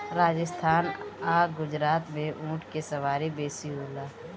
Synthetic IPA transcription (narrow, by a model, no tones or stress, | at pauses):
ɾaːd͡ʒəst̪ʰaːnaːɡʊd͡ʒɾaːt̪mẽʔũːʈʰkesɐʋaːɾibeːsiɦoːlaː